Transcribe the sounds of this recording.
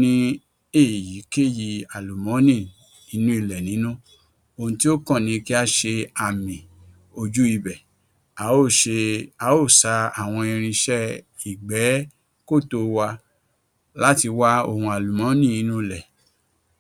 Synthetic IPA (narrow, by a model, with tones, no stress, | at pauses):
nĩ˦ | e˦˨ji˨˦ke˦˨ji˧a˨lu˨mɔ̃˨˦nĩ˦˨ | i˨˦nũ˦i˦˨lɛ˨nĩ˨˦nũ˦ | o˧hũ˧ti˦o˦kɔ̃˦˨nĩ˧ki˦a˦ʃe˧a˨mĩ˨ | o˧d͡ʒu˦i˦˧˨bɛ˨ | a˨˦o˦˨ʃe˧a˨˦o˦˨sa˧a˨w̃ɔ̃˧ĩ˧ɾ̃ĩ˧ʃɛ˦i˨ɡ͡bɛ˨˦ | ko˦˨to˧wa˧ | la˦ti˧wa˦o̰˦˧˨hũ˧a˨lu˨mɔ̃˨˦nĩ˦˨i˨˧˦nũ˦i˧˨lɛ˨